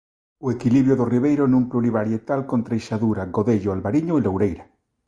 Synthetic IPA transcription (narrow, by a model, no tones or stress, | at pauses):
oekiliβɾjoðoriβ̞ejɾonũŋpluliβaɾjet̪alkont̪ɾejʃaðuɾaɡoðeʎoalβaɾiɲoelowɾejɾa